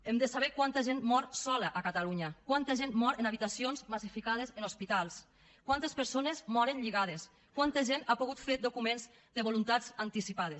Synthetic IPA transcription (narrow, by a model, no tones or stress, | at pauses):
emd̪əsaβɛkwant̪əʒenmɔɾsɔləʔakat̪aluɲəkwant̪əʒenmɔɾenaβ̞it̪asionzmasifikað̞ezenospit̪alˠs | kwant̪espəɾsonezmɔɾənʎiɣað̞es | kwant̪əʒenapuɣut̪fed̪okumenz | d̪əβolunt̪azant̪isipaðe